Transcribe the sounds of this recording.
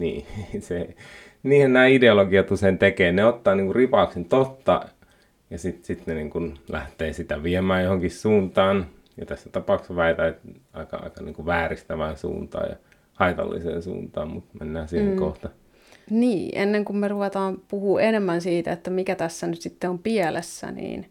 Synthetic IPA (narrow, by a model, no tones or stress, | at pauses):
nḭːse | niːhennæːideoloɡiɑt̪usent̪ekeːneot̪ːɑːniːŋkuripɑˑuksent̪ot̪ːɑ̰ | jɑsit̪sit̪neniːŋkunlæ̰ht̪eːsit̪æʋiemæːjjohoŋkissuːnt̪ɑːn | jɑt̪æsːæt̪ɑpɑˑukseʋæit̪æt̪ɑ̰ikɑ̰ɑ̰ikɑniːŋkuʋæːrist̪æʋæːnsṵːnt̪ɑ̰ːjɑ̰ | hɑit̪ɑ̰lːḭsḛːnsṵːnt̪ɑ̰ːmmut̪menːæːsiheŋkoht̪ɑ | niːʔenːeŋkummeruʋet̪ɑːmpuhuːenemːænsiːt̪æ̰et̪ːæmikæt̪æsːænyt̪sit̪ːeompielesːæ̰nḭːn